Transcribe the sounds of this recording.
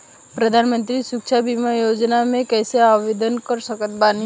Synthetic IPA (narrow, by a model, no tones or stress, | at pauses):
pɾəd̪ʱaːnmə̃nt̪ɾisukt͡ʃʰabimajoːd͡ʒnamẽkɛːseaʋeːd̪ənkəɾsəkət̪̚bani